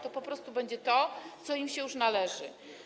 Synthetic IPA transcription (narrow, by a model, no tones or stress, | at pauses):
t̪ɔpɔpɾɔst̪ubɛɲd͡ʑɛt̪ɔt̪sɔimɕɛjuʂnalɛʐɘ̰